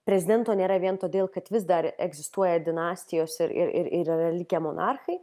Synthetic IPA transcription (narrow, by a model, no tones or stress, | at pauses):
pʲɾʲɛzʲɪd̪ʲɛnt̪oːnʲeːɾɐʋʲiɛnt̪oːd̪ʲeːlˠkɐt̪ʋʲɪsd̪ɐɾɛ̰ɡzʲɪst̪uɔjɛd̪ʲɪnɑːsʲt̪ʲɪjoːsɪɾɪ̰ɾɪ̰ɾɪ̰ɾɛrɐlʲɪkʲemo̰nʔɑrxɐɪ